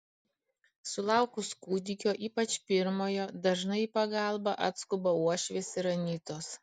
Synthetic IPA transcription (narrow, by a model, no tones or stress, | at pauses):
sʊlˠɐˑʊkʊskuːd̪ʲɪkʲoːʔiːpɐt͡ʃpʲɪɾmoːjoːd̪ɐʒnɐɪpɐɡɐlˠbɐʔɐ̰t̪skʊbɐuɔʃʲʋʲeːsʲɪɾɐnʲiːt̪oːs